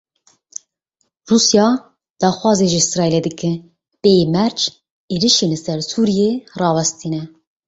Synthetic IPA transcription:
ruːsjɑː | d̪̥ɑːxwɑːzeʒiisɾɑːeleːd̪ɨkɨ | b̥eːjemɛɾt͡ʃ | eːɾiʃenlɨsɛɾsuːɾijerɑːwɛst̪iːnɛ

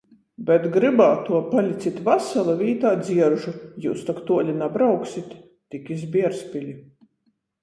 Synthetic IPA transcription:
bʲɛt̪ɡɾɨbaːt̪uɔpalʲit̪sʲit̪vasalˠavʲiːt̪aːd̪zʲiɛɾʒujṵːst̪akt̪uɔlʲinabɾawksʲit̪ː | ikʲizbʲiɛɾspʲilʲi

